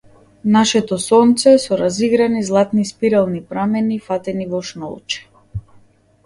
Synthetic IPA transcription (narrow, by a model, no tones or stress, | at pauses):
naʃɛt̪ɔsɔnt̪sɛsɔɾaziɡɾanizlˠat̪nispiɾalˠnipɾamɛnifat̪ɛnivɔʃnɔ̰lˠt͡ʃɛ̥